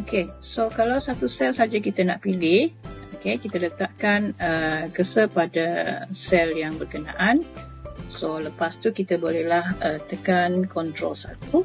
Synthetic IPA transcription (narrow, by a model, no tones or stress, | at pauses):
okesokalawsat̪usɛlsad͡ʒakit̪ənaʔpilɪhʔokekit̪ələt̪aʔkanəkəsəpadasɛljaŋbərkəna̰ʔan | soləpast̪ukit̪əbolɛhlahət̪əkankɔnt̪ɾo̰lsat̪u